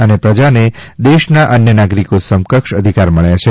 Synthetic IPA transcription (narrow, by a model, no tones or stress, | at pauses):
ənepɾəd͡ʒaned̪eʃnaʔənjənaɡɾikosəmkəkʃəd̪ʱikaɾməɭjat͡ʃʰe